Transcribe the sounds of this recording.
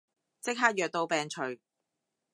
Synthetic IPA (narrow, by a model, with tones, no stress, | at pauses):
t͡sɪ˥k̚ɦaː˥jœː˨k̚t̪o˧wpɛː˨˧ŋt͡ʃʰɵ˨˩ɥ